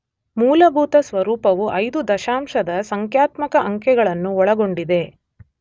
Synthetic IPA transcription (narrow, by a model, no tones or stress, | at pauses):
muːlɐbʱuːt̪ɐsʋɐɾuːpɐʋuʔɐjd̪ud̪ɐʃaːmʂɐd̪ɐsɐŋkjaːt̪mɐkɐʔɐŋkɛɡɐɭɐnːuɔɭɐɡo̞ɳɖid̪e̞